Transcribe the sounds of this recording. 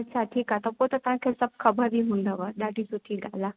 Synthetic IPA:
ɐt͡ʃʰaʈʰiːkat̪ɐpot̪ɐt̪ɐʋ̤ãkʰeːsɐb̚kʰɐbəɾʋiɦũnd̪aʋəɗaɖʱisut̪ʰiɡala

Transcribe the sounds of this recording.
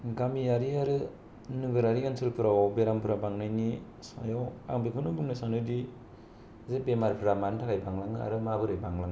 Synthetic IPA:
ɡamijaɾiaɾɯ | nɯɡɯɾaɾiɡansɯlpʰɯɾawbeɾampʰɯɾabaŋnajni | sajawa̰ŋbikʰɯnɯbɯŋnasanɯdi | zebemaɾpʰɯɾamantʰakajbaŋlaŋɯa̰ɾɯmabɯɾɯjbaŋlaŋ

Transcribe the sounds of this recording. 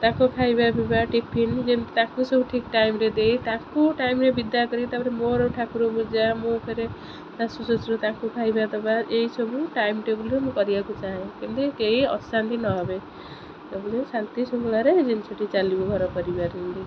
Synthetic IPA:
t̪ãkokʰajbabʱibaʈipʰind͡ʒent̪akusɔbuʈʰikʈajmɾed̪ejt̪ãkuʈajmɾebid̪akɔɾit̪abɾemoɾoʈʰakuɾobud͡ʒamũpʰeɾe | t̪ãsusot͡ʃɾut̪ãkukʰajbat̪ɔbaeɦisɔbuʈaimʈebulɾemũkɔɾibakut͡ʃaɦẽkint̪ekeɦiɔ̰sant̪inɔɦɔbe | t̪ebulesant̪isomulaɾed͡ʒint͡ʃʰɔʈit͡ʃalibɔɡʱɔɾɔpɔɾibaɾind̪i

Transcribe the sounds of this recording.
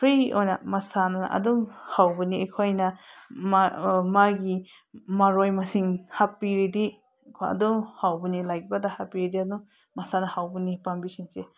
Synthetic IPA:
pʰɾiojnɐ̰masanaɐ̰dumhawbɯniekʰojnɐmmaɡi | maɾojmasiŋhapiɾidi | kʰɐ̰dumhawbɯnilajk̚badahapiɾidiadum | masanɐhawbɯnipambisiŋse

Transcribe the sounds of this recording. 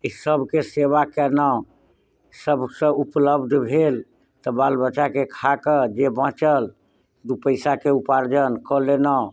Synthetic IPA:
isəbʱkeseβakɛnə | səbʱsə̃upləbd̪ʱbʱel | t̪ɔbalbət͡ʃakekʰakəd͡ʒebãt͡ʃəl | d̪upəɪsakeupaɾd͡ʒənkɔlena

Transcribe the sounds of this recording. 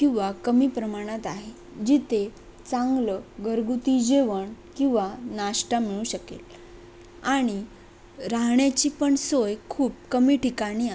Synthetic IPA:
kĩw̃ʋakəmiːpɾəmaɽ̃at̪aɦe | d͡ʑit̪ʰe | t͡sãŋɡləɡəɾɡut̪id͡ʑeʋəɳkĩw̃ʋanaɕʈamiɭũːɕəkḛl | aɽ̃i | ɾaɦɳjat͡ɕiːpəɳsojkʰuːp̚kəmiːʈikaɽ̃iː

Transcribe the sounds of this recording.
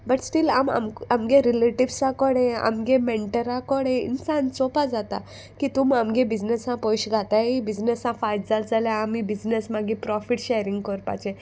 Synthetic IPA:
bəʈsʈila̰ma̰mamɡeɾileʈiʋsãkɔɽẽa̰mɡemɛɳʈəɾãkɔɽẽḭnsãnt͡sɔpad͡zat̪a̰ | kit̪umamɡẽbid͡znesãpɔjɕɡʱat̪aibid͡znesãfajʈd͡zald͡zaljãːmibid͡znəsmaɡipɾɔfiʈɕejɾĩŋɡkɔɾpa̰t͡ɕẽ

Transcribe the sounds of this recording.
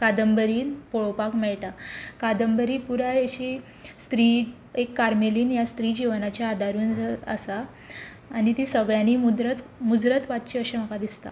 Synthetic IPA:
kad̪əmbəɾiːnpoɭopakmɛɭʈakad̪əmbəɾiːpuɾajeɕi | st̪ɾiː | ekːaɾmeliːnjast̪ɾiːd͡ʑiʋnat͡ɕjaːd̪ʱaɾuːnə̰saː | ñit̪isəɡɭjaniːmud̪ɾət̪mud͡zɾət̪ʋat̪̚t͡ɕeəɕeməkad̪ist̪a̰

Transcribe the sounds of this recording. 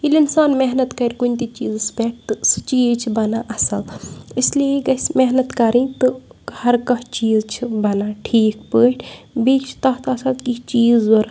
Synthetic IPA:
ilinsaːnmeɦnɐt̪kɐɾʲkunʲt̪it͡ʃiːzsbeːʈ̚ʰt̪ɨsɨt͡ʃiːzt͡ʃʰibɐnaʔɐsɐlislieɡɐsmeɦnɐt̪kɐɾĩt̪ɨhɐɾkɐɦt͡ʃiːzt͡ʃʰibɐnaːʈʰiːkpəːʈʰ | bit͡ʃʰt̪ɐɦt̪ɐsɐlkit͡ʃiːzɐɾ

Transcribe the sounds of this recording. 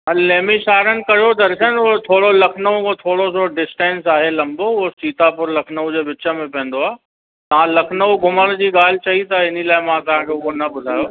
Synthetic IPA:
ɦɐleːmiʃaːɾənɪ̆kɐjod̪ɐɾʃənot̪ʰoːɽolɐkʰnəʋũot̪ʰoːɽosoɖɪsʈɛ̃ːnsaːɦelɐ̃mboʊɦosiːt̪apʊɾlɐkʰnəũd͡ʑeːʋɪt͡ɕə̆mẽpɛ̃ːn̆d̪oaː | t̪ɐʋãlɐkʰnəuɡʱʊməɽ̃d͡ʑiːɠaːl̤ɪt͡ɕɐɦit̪ʰaɪnilaːɪmãt̪ɐʋ̤ãkʰeʊɦonɐbʊd̪ʱaːjo

